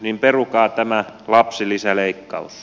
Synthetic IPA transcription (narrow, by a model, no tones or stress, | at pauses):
nimperukɑːt̪æmælɑpsilisæleikːɑus